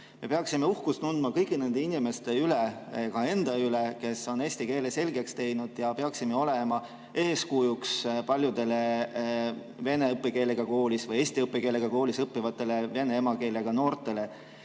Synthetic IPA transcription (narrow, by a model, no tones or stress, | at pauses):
me̞peɑksime̞uhkust̪nund̪mɑkɤjɡˑine̞nd̪̥e̞inime̞st̪e̞ylekɑe̞nd̪̥ɑyleke̞so̞ne̞ːsʲt̪ike̞ːlese̞lʲɡe̞kst̪e̞jnud̪̥jɑpeɑksimeo̞le̞mɑ | e̞ːskujukspɑlʲjud̪e̞le̞ | ve̞ne̞ɤpːˑeke̞ːleɡ̥ɑko̞ːlʲisvɤje̞ːsʲt̪iɤpːˑeke̞ːleɡ̥ɑko̞ːlʲisɤpːivɑt̪ːˑe̞le̞ve̞neemɑke̞ːleɡ̥ɑno̞ːrt̪ˑe̞le̞